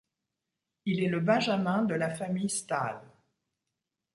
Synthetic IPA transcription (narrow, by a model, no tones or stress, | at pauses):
ilɛləbɛ̃ʒamɛ̃d̪əlafamijst̪a̰l